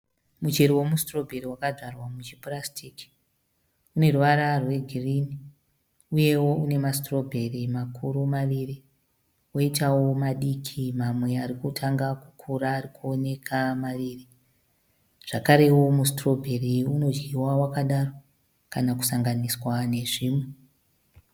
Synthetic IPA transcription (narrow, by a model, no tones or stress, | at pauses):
mut͡ʃe̞ɾiwo̞mustro̞bʱe̞ɾiwakaʐarwamut͡ʃiprastʰiki̥ | une̞ruʋaɾarwe̞ɡʱirini | uje̞wo̞une̞mastro̞bʱe̞rimakʰuɾumaʋiri | wo̞itawo̞maɗikʰimamwe̞aɾikutʰaŋɡaku̥kʰuɾaːrikuo̞ne̞kʰamaʋiːri | ʐ̥akaɾe̞wo̞mustro̞bʱe̞riuno̞d͡ʒiwawakaɗaro̞ | kanaku̥saŋɡaniswane̞ʐiːmwe